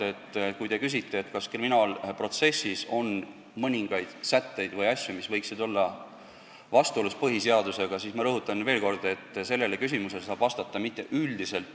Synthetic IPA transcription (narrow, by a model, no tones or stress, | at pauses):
e̞t̪ːˑkujd̪e̞kys̬ʲit̪ːe̞ːt̪kɑskriminɑːlpro̞t̪se̞sːiso̞n | mɤnʲiŋɡ̥ɑjd̪̥sæt̪ːe̞jd̪̥vɤjɑsʲjumisvɤjksid̪o̞lːɑ | vɑst̪uoluspɤɦise̞ɑd̪use̞ɡ̥ɑsiːsmɑɾɤɦut̪ːˑɑnve̞ːlko̞rd̪e̞t̪ːˑse̞lːe̞lekys̬ʲimuse̞lesɑːb̥vɑst̪ɑt̪ːˑɑmit̪ːˑe̞ʔyld̪ise̞lt̪ːˑ